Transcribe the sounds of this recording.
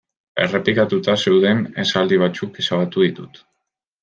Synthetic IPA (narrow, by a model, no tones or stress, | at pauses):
e̞̰re̞pikat̪ut̪ase̞wðe̞nesald̪iβ̞at͡sukesaβat̪uðit̪ut̪